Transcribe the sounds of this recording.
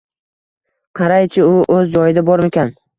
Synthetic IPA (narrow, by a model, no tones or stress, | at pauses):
qʰɑɾajt͡ʃʰɪʊʔɵzd͡ʒɒjɪd̪abɒɾmekʲan